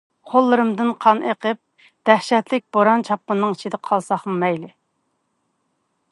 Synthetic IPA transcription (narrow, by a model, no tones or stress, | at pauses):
qʰolˠːɨɾɨmd̪ɨnqʰɑnʔeqəp̚ | d̪̥æhʃɛt̪lɪk̚ʲb̥oɾɑnt͡ʃʰɑpːənːɨŋit͡ʃʰid̪ɛqʰɑlˠsɑχɨmɛjlɪ